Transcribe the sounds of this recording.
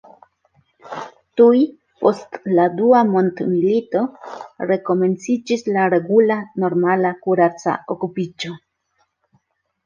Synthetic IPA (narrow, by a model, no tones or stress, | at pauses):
tuj | po̞stladuamo̞ntmilito̞ɾe̞ko̞me̞nt͡sid͡ʒislaɾe̞ɡulano̞ɾmalakuɾat͡sa̰o̞kupid͡ʒo̞